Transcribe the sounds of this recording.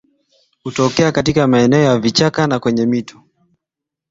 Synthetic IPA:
hutɔkɛakatikamaɛnɛɔjavit͡ʃakanakwɛɲɛmitɔ̥

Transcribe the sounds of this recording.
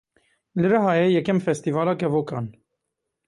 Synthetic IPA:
ləɾɑɦɑjɛjɛkɛmfɛst̪ivɑlɑkɛvɔkʰɑn

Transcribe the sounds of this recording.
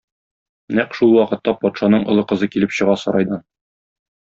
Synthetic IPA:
næqʃulˠwɒqɤ̆t̪ːɑpɒt̪ʃɑnɤɴʔŏlˠɤqɤ̆zɤkilɘpɕɤ̆ʁɑsɒ̆ɾɑjd̪ɑn

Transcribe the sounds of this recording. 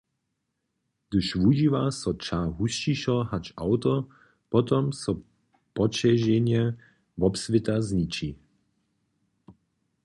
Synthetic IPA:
d̪̥ɨʃvuʒiːvasɔt͡ʃaːɦust͡ʃiʃɔɦat͡ʃawt̪ɔ | pɔt̪ɔmsɔ | pɔt͡ʃɛʒɛɲjɛ | vɔpsvɪt̪azɲit͡ʃi

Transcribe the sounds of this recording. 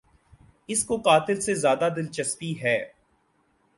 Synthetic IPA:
ɪskoqaːt̪ɪlsezjaːd̪ad̪ɪlt͡ʃɐspiɦɛː

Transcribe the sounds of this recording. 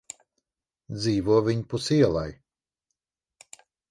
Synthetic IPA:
d̪ziːvuɔvʲiɲpusiɛlˠaj

